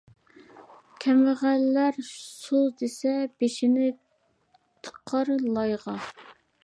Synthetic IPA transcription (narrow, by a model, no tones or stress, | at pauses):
kʲʰɛmɪʁælːæɾsod̪esɛb̥eʃɪnɪ | t̪ʰə̥qʰɑɾlˠɑjʁɑ